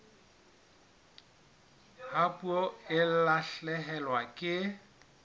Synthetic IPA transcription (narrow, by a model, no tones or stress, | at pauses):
hapʼuoɪlaɬɛɦɛlwakʼɪ